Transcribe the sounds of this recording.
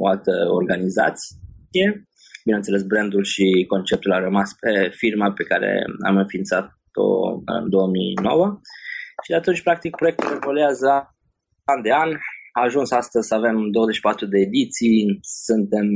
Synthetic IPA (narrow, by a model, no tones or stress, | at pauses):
oalt̪əorɡaniza̰t̪sje̞ | bineənt̪sele̞sbɾend̪ulʃiko̞nt͡ʃe̞p̚t̪ulaɾəmaspefirmape̞kaɾḛa̰mɨnfint̪sat̪ | o̰ɨ̰nd̪o̞wəmino̞̰wəʃid̪eat̪unt͡ʃʲpɾak̚t̪ik̚pɾoek̚t̪ulevoluazə | and̪e̞anʲaːʒunsast̪əzʲsave̞md̪owəzet͡ʃʃi̥pat̪ɾud̪e̞ːd̪it̪sijsɨnt̪e̞m